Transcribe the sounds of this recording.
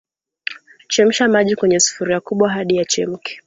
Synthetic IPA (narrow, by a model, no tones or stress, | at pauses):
t͡ʃɛm̩ʃamaʄikwɛɲɛsu̥fuɾiakuɓwaɦaɗijat͡ʃɛm̩kɛ̥